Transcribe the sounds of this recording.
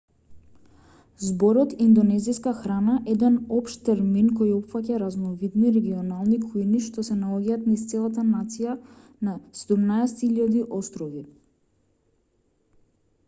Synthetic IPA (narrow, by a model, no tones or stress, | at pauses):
zbɔɾɔt̪ind̪ɔnɛziskaxɾanaʔɛd̪ɛnɔpʃt̪t̪ɛɾminkɔjɔpfacaɾaznɔvid̪niɾɛɡiɔnalˠnikujniʃt̪ɔsɛnalˠɔɡaːt̪nist̪sɛlˠat̪anat̪sija | nasɛd̪umnaɛsɛt̪iʎad̪iʔɔst̪ɾɔvi